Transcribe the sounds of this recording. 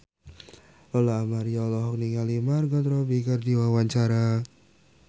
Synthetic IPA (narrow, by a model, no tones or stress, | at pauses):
lɔlaːmaɾijalɔɦɔk̚niŋalimarɡɔt̪ɾɔbikərdiwawaɲt͡ʃaɾa